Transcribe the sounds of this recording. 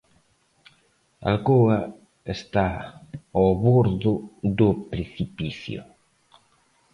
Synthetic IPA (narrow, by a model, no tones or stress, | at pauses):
a̰lkoa | est̪a | oβoɾðʊd̪ʊpɾeθipiθjo̰